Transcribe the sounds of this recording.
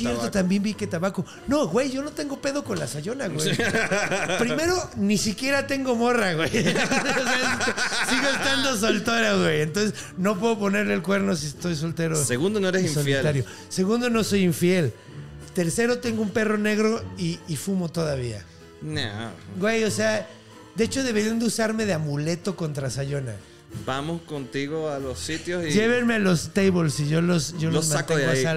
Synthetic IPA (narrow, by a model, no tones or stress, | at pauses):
sje̞ɾtt̪ot̪ambje̞mbike̞t̪aβako | no̞ɣwe̞jʝo̞no̞t̪e̞ŋɡo̞pe̞ðo̞ko̞nlasaʝo̞naɣwewej | pɾime̞ɾonisikje̞ɾat̪e̞ŋɡo̞mo̞raɣwejosesosiɣoest̪and̪os̬olt̪oɾaɣwejent̪o̞nsez | no̞p̬we̞ðop̬o̞ne̞ɾleːlkwe̞ɾno̞s̬ist̪o̞js̬olt̪e̞ɾoseɣund̪onoeɾesisolit̪aɾjo | se̞ɣũnd̪o̞no̞so̞jiɱfje̞l | t̪e̞ɾse̞ɾo̞t̪e̞ŋɡoumpe̞ro̞ne̞ɣɾo̞iːfumo̞t̪oðaβ̞ia̰ | naɡwe̞jo̞se̞a | d̪e̞et͡ʃo̞ðe̞βeɾjend̪eusaɾme̞ðeamule̞t̪o̞ko̞nt̪ɾasaʝo̞na̰ | bamoskont̪iɣoalosit̪josid͡ʒe̞β̞enmealo̞st̪ejβolsiʝo̞losʝolozmateŋaɡoasa